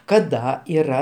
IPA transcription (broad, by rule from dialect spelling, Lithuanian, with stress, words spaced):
kɐˈdɐ iːˈrɐ